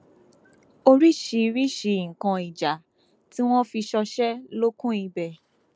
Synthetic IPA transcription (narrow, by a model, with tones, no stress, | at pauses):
o˧ɾi˦ʃi˧ɾi˦ʃi˧˨ŋ̩˨kã˨˧i˨d͡ʒa˨ | ti˦w̃ɔ̃˦fi˧ʃɔ˧ʃɛ˦lo˦kũ˦i˧bɛ˨